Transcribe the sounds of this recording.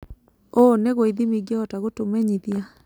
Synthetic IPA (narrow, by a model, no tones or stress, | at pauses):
oneɣoiðimiɡeɔtaɣotomɛɲiðia